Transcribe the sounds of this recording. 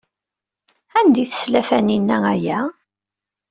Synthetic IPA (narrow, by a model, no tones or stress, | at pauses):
ænd̪iθə̥slæfæninːææjæ